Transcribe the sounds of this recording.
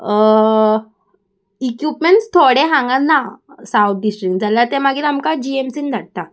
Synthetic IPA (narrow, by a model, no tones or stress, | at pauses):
ikjupmeɳʈst̪ʰoɽeɦãŋɡanːasaut̪̚ɖisʈɾikd͡zalaɾt̪ɛmaɡit̪amkad͡ʑiemsind̪ʱaʈ̚t̪a